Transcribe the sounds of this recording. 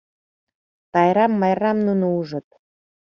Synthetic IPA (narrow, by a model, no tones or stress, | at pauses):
t̪ɑjɾɑmːɑjrɑmnunuuʒə̆t̪̚